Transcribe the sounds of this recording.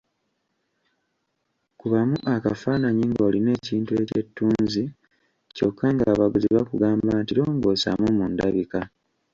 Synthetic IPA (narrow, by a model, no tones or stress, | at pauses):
kuβamuʔakafaːnaɲiŋɡo̞ːline̞ːciːntue̞ce̞tːuːnzi | co̞kʰːaŋɡaːβaɡuziβakuɡaːmbaːntiɾo̞ːŋɡo̞ːsa̰mumundaβika